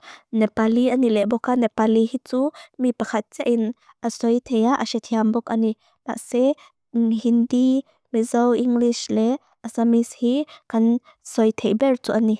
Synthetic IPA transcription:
nɛpaliʔanilɛʔbɔkanɛpalihit͡sumipakʰat̪̚t͡sɛʔin | ʔəsɔjt̪ʰɛjaʔəsɛt̪ʰiambɔkani | la̰ʔsɛ | hindi | mizɔwʔiŋɡlislɛ | ʔasamishikan | sɔjt̪ʰɛjbɛrt͡suʔani

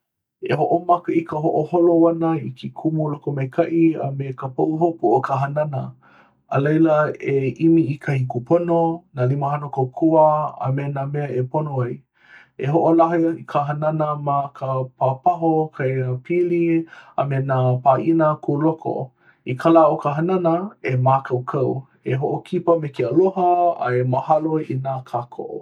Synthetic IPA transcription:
eɦoʔomakəikəɦoʔoholowanəikʰikʰumulokomejkʰaʔiə̰mekəpoʔuɦopuʔokʰaɦananəː | lejləeʔimiikʰahikupononaːliməɦanokowkʰuəa̰menameəeponoaj | eɦoʔolaɦikʰaɦɐnanəmakəpʰapaɦokʰaəpʰilia̰menapaʔinəkʰulokʰo̰ | ikʰalaokəɦɐnanəemaːkʰɐwkʰɐw | eɦoʔokʰipəmekiəloɦɐa̰eməhaloinakʰakʰo̰

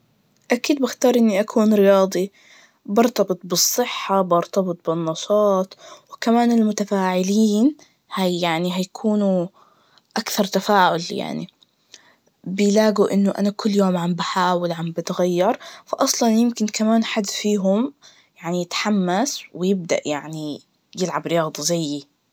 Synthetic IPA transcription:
ʔakiːd̪̚bɪxt̪ɑːɾˤʔɪnːiʔakʰuːnɾɪjɑːd̪ˤi | bɑɾˤt̪ɑbɨt̪̚ˤbɨsˤːɨħːabɑɾt̪ɑbɨt̪̚ˤbɪnːɑʃɑːt̪ˤwɪkamaːnɪlmʊt̪afaːʕɪliːn | haaʕniɦajakʰuːnu | ʔakθɑɾˤt̪afaːʕʊlja̰ʕnḭ | bɪjlaːɡuʔɪnːʊʔa̰nakʰʊlːjoːmʕambaħaːwalʕambat̪ɣajːɑɾˤfaʔɑsˤlɑnjɪmkɪnkamaːnħad̪ːfiːɦʊm | jaʕnijɪt̪ħamːaswɪjɪb̚d̪a̰ʔjaʕni | jɪlʕabɾɪjɑːd̪ˤɑzajːi

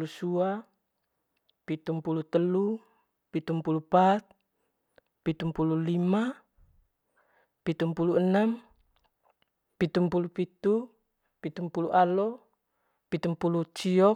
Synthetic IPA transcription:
lusua | pit̪umpulut̪əlu | pit̪umpulupat̪̚ | pit̪umpululima | pit̪umpuluənam | pit̪umpulupit̪u | pit̪umpuluʔalɔ | pit̪umpulut͡ʃiɔ

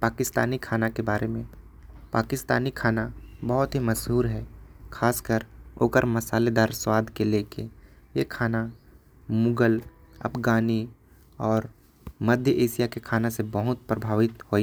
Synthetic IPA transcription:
paːkɪst̪a̰ːnikʰaːnakebaːɾemẽ | pa̰ːkɪst̪a̰ːnikʰaːnabɐɦʊt̪ɦiməʃɦuːɾɦɛːkʰaːskəɾo̰ːkəɾmɐsaːled̪aːɾswaːd̪ʱkelekejekʰaːna | mʊɡəlɐ̰pʰɡaːni | ɔːɾ | məd̪ʱjəʔeːʃijakekʰaːnasebəɦʊt̪̚pɾəbʱaːʋɪt̪hoːi

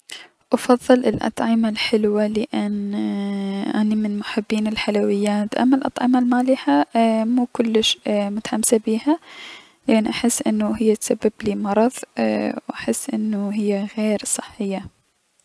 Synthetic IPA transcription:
ʔɑfɑðˤːɨlʔɪlʔɑ̰t̪ˤʕɪmalħɪlwalɪʔɪn | ʔanimɪnmʊħɪbːiːnɪlħalawɪjːaːt̪ʔa̰mːalʔɑ̰t̪ˤʕɪmalmaːlɪhamuːkʊlːɪʃmʊt̪ḁħamsabiːha | lɪʔanːʔaħɪsːʔɪnːuɦɪjːat̪sabːɪbliːmɑɾˤɑðˤwʔaħɪsːʔɪnːʊɦɪjːaɣeːɾsˤɨħːɪjːa

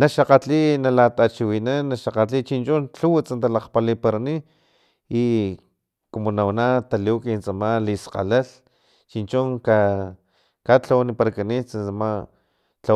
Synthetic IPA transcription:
naʃaqat͡ɬinalat̪at͡ʃiwinanːaʃaqat͡ɬit͡ʃint͡ʃunt͡ɬuwt͡sant̪alaqpalipaɾani | i | komonawnat̪aliwkint͡samalisqa̰lal | t͡ʃint͡ʃuŋka | kat͡ɬawanipaɾakanit͡sant͡sama | t͡ɬa

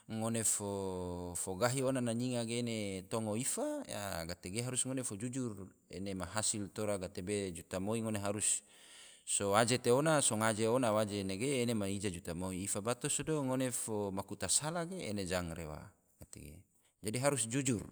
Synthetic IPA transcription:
ŋonefofoɡaɦionanaɲiŋaɡeːnet̪oŋoifaja̰ɡat̪eɡeɦaɾusŋonefod͡ʒud͡ʒur | ḛnemaɦasilt̪oɾaɡat̪ebed͡ʒut̪amoiŋoneɦaɾusː | oad͡ʒet̪eonasoŋad͡ʒeonawad͡ʒeneɡeːnemaid͡ʒad͡ʒut̪amoiːfabat̪osodoŋonefomakut̪asalaɡeːned͡ʒaŋrḛwa̰ | ɡ̥at̪ḛɡḛ | d͡ʒadiɦaɾusd͡ʒud͡ʒur

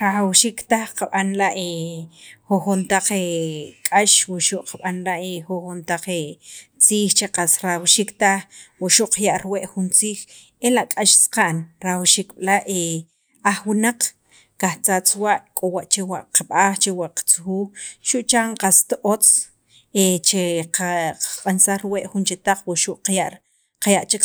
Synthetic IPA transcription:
ɾaxawʃiːkt̪axqaɓanlaʔe | xoxont̪aq͡χekʼaʃwaʃuʔqaɓanlaʔexoxont̪aq͡χet͡siːxt͡ʃeqasɾawʃiːkt̪axwaʔʃuʔqajaʔɾweʔxunt͡siːx | elaʔkʼaʃsqaʔnɾawʃiːkɓ̥laʔe | axwinaq͡χ | kaxt͡sat͡swaʔkʼowaʔt͡ʃewaʔqaɓaːxt͡ʃewaʔqḁt͡suxuːxʃuʔt͡ʃaɴqast̪ʔot͡s | et͡ʃeqaqḁqʼansaxɾweʔxunt͡ʃet̪aq͡χwaʔʃuʔqajaʔ | qajaʔt͡ʃek

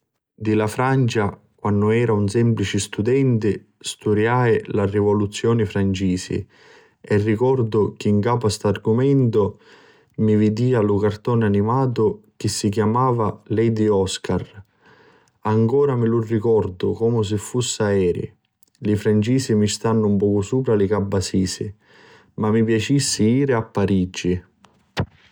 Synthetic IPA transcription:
d̪ilafɾant͡ʃa | kwanːʊɛːɾaunsɛmplit͡ʃɪst̪ud̪ɛnt̪ɪ | st̪uɾjaːjlarivɔlut̪sːjɔːnɪfɾant͡ʃiːsḭ | ɛrːikɔrd̪ʊk̟ɪːŋkaːpʊast̪arɡʊmɛnt̪ʊ | mivid̪iːalʊkart̪ɔːnanimaːt̪ʊk̟ɪsːikjamaːvalɛjd̪iɔskar | aŋkɔːɾamilurːikɔrd̪ʊkɔːmʊs̬ɪfːusːaɛːɾɪ̰ | lɪfɾant͡ʃiːsimist̪anːʊumpɔːkʊsuːpɾalɪkabːasiːsɪ̰ | mamːip̬jat͡ʃisːɪiːɾɪapːaɾid͡ʒːi

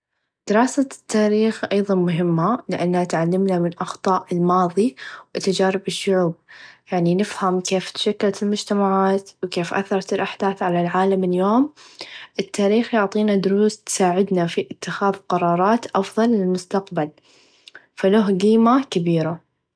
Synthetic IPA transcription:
d̪̥ɪɾɑːsat̪ʰːaːɾiːxʔɑjðˤɑnmʊɦɪmːalɪʔanːhat̪ʕalːɪmnamɪnʔɑxt̪ˤɑːʔɪlmɑːðˤiwɪt̪ad͡ʒaːɾɪbɪʃːʊʕuːb̚jaʕninɪfhamkeːft̪ʃakːalt̪ɪlmʊd͡ʒt̪amaʕaːt̪wkeːfʔa̰θːɑɾˤt̪ɪlʔaħd̪aːθʕalalʕaːlamɪljoːmʔɪt̪ːaːɾiːxjʊʕt̪ˤiːnad̪ʊɾuːst̪saːʕɪd̪nafiʔɪt̪ːɪxaːðqɑɾˤɑːɾˤɑːt̪ʔɑfðˤɑlːɪlmʊst̪aqbal | falaɦɡiːmakabiːɾa

